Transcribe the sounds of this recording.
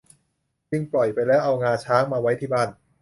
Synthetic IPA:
t͡ɕɯ˧ŋplɔ˨˩jpa˧jlɛː˦˥wʔa˧wŋaː˧t͡ɕʰaː˦˥ŋmaː˧wa˦˥jt̪ʰiː˥˩baː˥˩n

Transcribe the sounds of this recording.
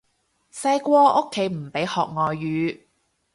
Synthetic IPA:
sɐ˧jkʷɔː˧o˥kʰːe˨˥jm̩˨˩pe˨˥jhɔː˨k̚ŋɔː˨jːyː˨˧˥

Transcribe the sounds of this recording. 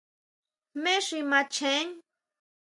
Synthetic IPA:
me˦ʂima˧t͡ʃʰen

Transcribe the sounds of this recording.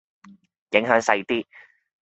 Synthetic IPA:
jɪ˨˥ŋɦœː˨˥ŋsɐ˧jt̪iː˥

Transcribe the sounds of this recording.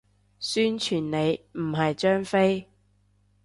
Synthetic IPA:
syː˥nt͡ʃʰyː˨˩nne˨˧jm̩˨˩ɦɐ˨jt͡ʃœː˥ŋfe˥j

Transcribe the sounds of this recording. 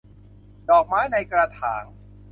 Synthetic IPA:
dɔː˨˩k̚maː˦˥jna˧jkɾaː˧t̪ʰaː˩˦ŋ

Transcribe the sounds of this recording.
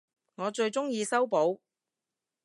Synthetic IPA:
ŋɔː˨˧t͡ʃɵ˧ɥt͡sʊ˥ŋjiː˧sɐ˥wpo˨˥w

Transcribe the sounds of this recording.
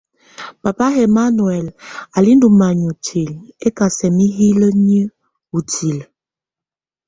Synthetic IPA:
pa˨pa˦ɦɛ˨ma˦nwɛ˨la˨li˦ndu˨ma˨ɲu˨tʰi˨le˦ka˨sɛ˨mi˦ɦi˦lə˦ɲə˦ | u˨ti˨l

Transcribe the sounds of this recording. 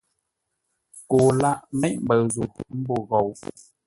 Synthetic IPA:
ko˨˩la̰˧˨ʔmə˦ʔɓə˨˩wzo˨˩˨t̪i˨˦mbo˨˩ɣə˨w

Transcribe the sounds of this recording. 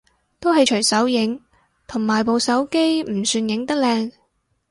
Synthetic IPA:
t̪o˥wɦɐ˨jt͡ʃʰɵ˨˩jsɐ˨˥wjɪ˨˥ŋ | t̪ʰʊ˨˩ŋmaː˨˩jpo˨wsɐ˨˥wke˥jm̩˨˩syː˧njɪ˨˥ŋt̪ɐ˥k̚lɛː˧ŋ

